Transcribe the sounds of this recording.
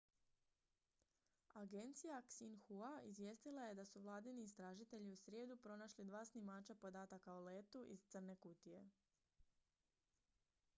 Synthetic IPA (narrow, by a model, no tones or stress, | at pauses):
aɡe̞nt̪sijaksinxuaizʋje̞ːst̪ilˠaje̞d̪asuʋlˠaːd̪iniːst̪ɾaːʒit̪e̞ʎiusɾʲje̞ːd̪upɾo̞naʃlid̪ʋaːsnimaːt͡ʃapo̞d̪aːt̪akaole̞ːt̪uʔḭzt̪sər̩ne̞kut̪ije̞